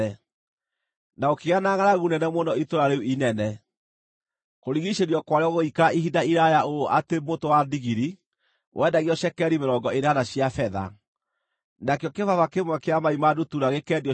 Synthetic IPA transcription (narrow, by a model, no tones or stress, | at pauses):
ɛ | naokeɣanaɣanaɣunɛnɛmonɔitoɾaɾeuinɛnɛ | koɾiɣiɕeɾiɔkwaɾeɔɣoikaiɦidaiɾajaoʔatemotowadiɣiɾi | wʔɛːdaɣiɔɕɛkɛɾimeɾɔŋɡɔeɾanaɕijafɛða̰ | nakeɔkevavakemwakeamaimadutuɾaɣekɛdiɔ